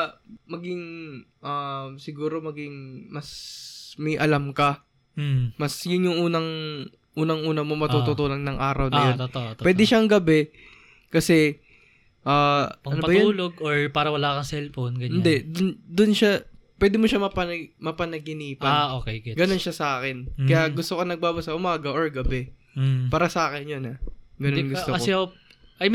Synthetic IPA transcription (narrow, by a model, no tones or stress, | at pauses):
mɐɡɪŋ | ʔamsɪɡuːɾo̞mɐɡɪŋmɐsmɐjʔɐlamkɐ | mɐsjʊnjʊŋʔuːnɐŋ | ʔuːnɐŋʔuːnɐmomɐt̪ut̪ot̪uːlɐŋnɐŋʔaːɾɐwnɐjont̪ːwɛːd̪ɪʃaŋɡɐbɛ | kɐsɛ | ʔaːʔpɐnoɐbɐj̪ʊnuːloɡoɹpaːɾɐwɐlaːkɐŋsɛlfonɡɐɲɪnd̪ɛd̪ʊnd̪ʊnʃapwɛːd̪ɪmoʃamɐpɐmɐpɐnɐɡɪniːpɐnoːkɛjɡɪɡɐno̞nʃasɐʔaːkɛnkɐjjaɡʊst̪okonɐɡ̚baːbasɐʔʊmaːɡɐʔoɹɡɐbɛ | paːɾɐsɐʔaːkɪnjonɐɡɐnonɡʊst̪oɐɪoʔɐj